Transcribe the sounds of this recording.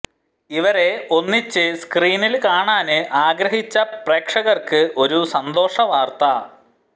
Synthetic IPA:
iʋɐɾe̞o̞nːit͡ɕːɨskriːnilkaːɳaːnɨʔaːɡɾɐɦit͡ɕːɐpreːkʂɐɣɐrkɨʔo̞ɾusɐnd̪o̞ːʂɐʋaːrt̪ɐ

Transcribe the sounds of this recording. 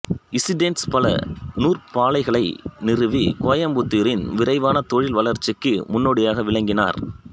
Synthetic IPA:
ɪsɪɖenspɐlɐ̰nuːrpaːlɐɪɣɐɭɐɪnɪrɯʋikoːjɐmbʊt̪ːiːɾɪnʋɪɾɐɪʋaːnɐt̪ɔɻɪlʋɐlɐɾt͡ʃːɪkːɯmʊnːoːɽɪjaːɣɐʋɪɭɐŋɡɪna̰ːɾ

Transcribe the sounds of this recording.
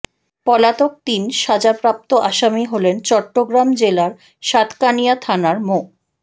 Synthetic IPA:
pɔlat̪ok̚t̪inʃad͡ʑapɾap̚t̪oʔaʃamiɦolent͡ɕɔʈːoɡɾamd͡ʑelaɾ | ʃat̪kanijat̪ʰanaɾmo

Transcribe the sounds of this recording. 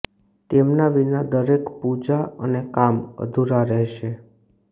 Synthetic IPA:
t̪emnaʋinad̪əɾekpud͡ʒaə̰nekamə̰d̪ʱuɾaɾɛɦʃe

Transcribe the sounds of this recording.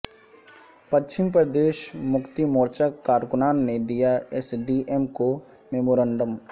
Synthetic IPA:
pɐt͡ʃɪmpɾəd̪eːʃmʊkt̪imoːɾt͡ʃakːaːɾkʊnaːnːed̪ijaɛsɖiʔemko | meːmoːɾə̃ɳɖəm

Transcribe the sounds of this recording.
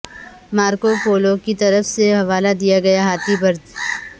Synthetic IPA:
maːɾkopoːlokit̪ɐɾəfseɦɐʋaːlad̪ijaɡɐjaɦaːt̪ibɐɾd̪

